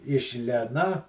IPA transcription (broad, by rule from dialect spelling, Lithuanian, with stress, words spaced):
ɪʃ ˈlʲeːnɐ